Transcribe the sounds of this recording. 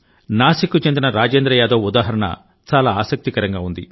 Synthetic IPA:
naːsikːut͡ʃe̞nd̪inɐɾaːd͡ʒeːnd̪ɾɐjaːd̪ɐːud̪aːɦɐɾɐɳɐ̰ | t͡ʃaːlaːaːsɐk̚t̪ikɐɾɐŋɡaːund̪ḭ

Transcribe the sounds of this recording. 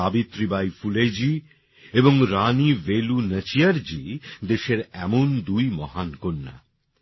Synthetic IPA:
abit̪ɾibajfuled͡ʑi | eboŋɾanivelunət͡ɕiaɾd͡ʑid̪eʃeɾɛmond̪ujmɔɦankonːa̰

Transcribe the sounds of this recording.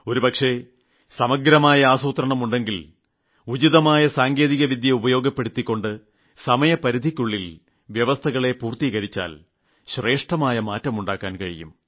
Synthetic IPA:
o̞ɾupɐkʂe̞ | sɐmɐɡɾɐmaːjɐaːsuːt̪ɾɐɳɐmuɳɖe̞ŋɡil | ud͡ʑiðɐmaːjɐsaːŋɡe̞ːðiɣɐʋid̪ʱjɐubɐjo̞ːɡɐpːe̞ɽut̪ːikʲːo̞ɳɖɨ | sɐmɐjɐpɐɾid̪ʱikʲːuɭːil | ʋjɐʋɐst̪ʰɐɣɐɭe̞puːrt̪iɣɐɾit͡ɕːa̰ːl | ɕre̞ːʂʈɐmaːjɐmaːtːɐmuɳɖaːkːaːnkɐɻḭjṵm

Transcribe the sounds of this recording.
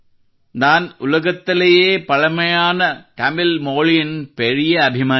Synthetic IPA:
d̪aːnʊlɐɣɐt̪ːɪlɐjeːpɐɻɐmɐjaːnɐkɐmɪlmoːɭɪjɪnpɛɻɪjɐːbʱɪmaː

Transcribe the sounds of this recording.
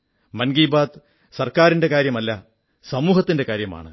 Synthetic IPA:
mɐnɡiːbaːd̪ | sɐrkaːɾinde̞kaːɾjɐmɐlːɐ | sɐmuːhɐt̪ːinde̞kaːɾjɐma̰ːɳɨ̰

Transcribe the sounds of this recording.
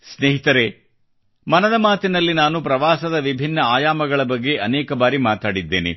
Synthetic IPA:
sneːɦit̪ɐɾe̞ | mɐnɐd̪ɐmaːt̪inɐlːinaːnupɾɐʋaːsɐd̪ɐʋibʱinːɐaːjaːmɐɡɐɭɐbɐɡːe̞ʔɐnɛːkɐbaːɾimaːt̪aːɽid̪ːḛːnḛ

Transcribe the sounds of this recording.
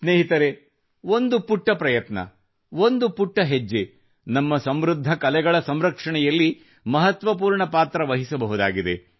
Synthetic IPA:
sneːɦit̪ɐɾe | ond̪upuʈːɐpɾɐjɐt̪nɐ̰ | ʋond̪upuʈːɐɦed͡ʒːe | nɐmːɐsɐmɾud̪ʱːɐkɐlɛɡɐɭɐsɐmɾɐkʂɐɳɛjɐlːi | mɐɦɐt̪ʋɐp̬uːɾɳɐpaːt̪ɾɐʋɐɦisɐbɐɦud̪a̰ːɡid̪e

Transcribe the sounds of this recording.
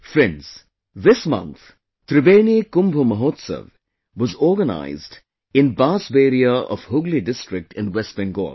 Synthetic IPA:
fɾɛ̃nz̥ | ðɪsmʌ̰̃nt̪ | t̪ɾɪbeːnikʊ̃mbʱuməɦoːt̪sə̰ʋ | ʋɔzɔːɾɡəna̰ɪzd | ɪ̃nbaːsbeːɾiəɔ̰ʋhʊɡliɖɪsʈɾɪk̚ʈʰɪ̃nwɛsbə̃nɡo̰ːl

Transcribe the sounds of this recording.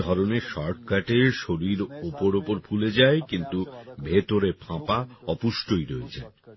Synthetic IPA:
ɔɾoneʃɔɾʈkaʈeɾʃoɾiɾopoɾopoɾbʰʱuled͡ʑaekint̪ubʱet̪oɾepʰãpaɔpuʃʈojɾoed͡ʑae

